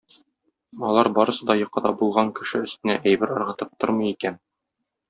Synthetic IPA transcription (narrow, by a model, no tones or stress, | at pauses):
ɒlˠɑɾbɒɾɤ̆sɤd̪ɒjŏqɑd̪ɑbulˠʁɑŋkɘ̆ʃɘɵ̆st̪ɘ̆næʔæjbɘɾɒɾʁɑt̪ɤp̚t̪oɾmɤ̆jikæn